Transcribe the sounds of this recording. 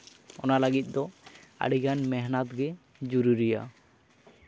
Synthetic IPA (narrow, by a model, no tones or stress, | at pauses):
ɔnalaɡit̪̚ˀd̪ɔa̰ɽiɡanmɛɦnat̪̚ɡɛ | d͡ʒuɾuɾija̰